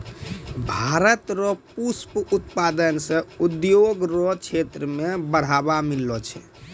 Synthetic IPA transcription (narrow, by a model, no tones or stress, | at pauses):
bʱaɾət̪ɾɔpusput̪pad̪ənsə̃ud̪joɡɾɔt͡ʃʰet̪ɾəmebəɽ̤abamilːɔt͡ʃʰɛ̰